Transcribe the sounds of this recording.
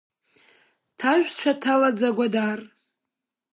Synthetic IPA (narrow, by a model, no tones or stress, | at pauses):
tʰaʒᶣʷt͡ʃʷʰatʰalad͡zaɡʷadar